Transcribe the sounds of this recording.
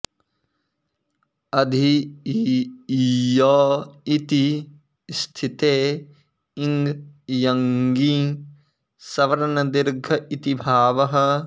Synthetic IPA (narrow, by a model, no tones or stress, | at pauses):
ɐd̪ʱi | jɔːit̪i | st̪ʰit̪eː | iŋɡjɐŋɡĩː | sɐʋɐɾnɐd̪ɪɾɡʱɐit̪ibʱaːʋɐɦə̆